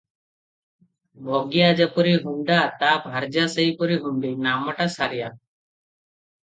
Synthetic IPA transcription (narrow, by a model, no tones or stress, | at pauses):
bʱɔɡijad͡ʒəpɔɾiɦunɖ̪at̪abʱaɾd͡ʒasəjpɔɾiɦund̪ejnaməʈasaɾija